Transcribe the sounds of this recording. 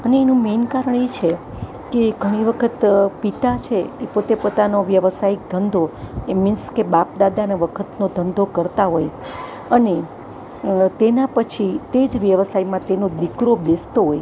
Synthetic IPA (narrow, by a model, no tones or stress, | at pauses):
əneːnũmenkaɾəɳet͡ʃʰe | keɡʱəɽ̃iʋəkʰət̪pit̪at͡ʃʰeːpot̪epot̪anoʋjəʋsaik̚d̪ʱənd̪ʱoemɪ̃nskebap̚d̪ad̪aneʋəkʰət̪nod̪ʱənd̪ʱokəɾt̪aɦoj | əne | t̪enapət͡ʃʰit̪ed͡ʒʋjəʋsajmãt̪enod̪ikɾobest̪oɦoj